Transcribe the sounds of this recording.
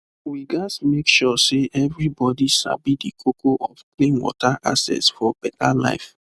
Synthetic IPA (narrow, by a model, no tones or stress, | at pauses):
wiɡasmekʃɔseʔɛvɹibɔdiʃa̰bidikʰokʰoʔɔfklĩnwɔ̰taʔasɛ̰tsfɔb̥ɛtala̰ɪf